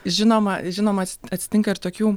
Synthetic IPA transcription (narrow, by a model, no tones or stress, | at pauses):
ʒʲɪnoːmɐʒʲɪnoːmɐtsɐt̪ʲsʲɪ̥t̪ʲɪŋkɐɪɾt̪oːkʲuː